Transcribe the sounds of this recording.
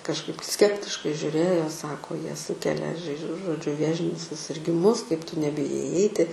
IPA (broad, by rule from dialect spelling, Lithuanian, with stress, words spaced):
kɐʃˈkɐɪp ˈsʲkʲæːpʲtʲɪʃkɐɪ ʒʲʊˈrʲeːjoː jiɛ ˈsɑːkoː jiɛ ˈsuːkʲɛlʲɛ ʒɐɪ ʒoː ʒoːˈd͡ʒʲʊ ˈʋʲeːʒʲɪnʲʊs sʊsʲɪrʲɡʲɪˈmʊs kɐɪp tʊ nʲɛbʲɪˈjɛɪ ɪˈɛɪtʲɪ